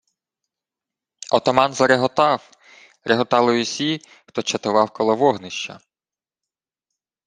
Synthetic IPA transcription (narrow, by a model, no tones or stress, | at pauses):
ɔt̪ɔmɑnzɐɾeɦɔt̪ɑw | ɾʔeɦɔt̪ɑlˠɪjʊsʲi | xt̪ɔt͡ʃɐt̪ʊʋɑwkɔlˠɔʋɔɦnɪʃt͡ʃɐ̰